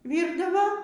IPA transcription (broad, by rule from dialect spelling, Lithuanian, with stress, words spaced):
ˈʋʲiːrdɐʋoː